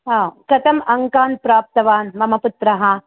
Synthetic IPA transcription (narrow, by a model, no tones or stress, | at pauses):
ɦãːkɐt̪ɐmɐŋkaːn̚pɾaːp̚t̪ɐʋaːnmɐmɐput̪ɾɐɦɐ